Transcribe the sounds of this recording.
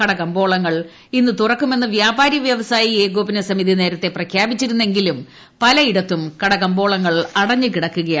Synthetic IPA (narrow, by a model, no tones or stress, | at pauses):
kɐɽɐkɐmbo̞ːɭɐŋːɐɭ | inːɨt̪urɐkːume̞nːɨʋjaːbaːɾjɐʋjɐʋɐsaːjieːɡoːbinɐsɐmiðine̞ːɾɐt̪ːe̞prɐkʰjaːbit͡ɕːiɾunːe̞ŋɡilum | pɐlɐiɽɐt̪ːumkɐɽɐɣɐmbo̞ːɭɐŋːɐɭɐɽɐɲːɨkiɽɐkːuɣɐja